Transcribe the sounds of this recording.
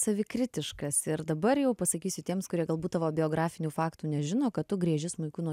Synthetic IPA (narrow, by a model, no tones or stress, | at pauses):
sɐʋʲɪkɾʲɪt̪ʲɪʃkɐsɪɾd̪ɐbɐrjɛʊpɐsɐkʲiːsʲʊt̪ʲiɛmskʊɾʲiɛɡɐlˠbuːt̪ɐʋoːbʲɪoːɡɾɑːfʲɪnʲuːfɑːkt̪uːnʲɛʒʲɪnoːkɐtt̪ʊɡɾʲiɛʒʲɪsmʊɪkʊnuɔ